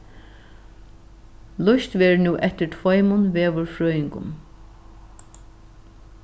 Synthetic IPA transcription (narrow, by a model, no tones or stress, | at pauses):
lʊʃt̪ʋɛːɹnuːʔɛt̪ɪɹt̪ʰvɔjmʊnʋeːʋʊɹfɹœːjɪŋkʊ̰m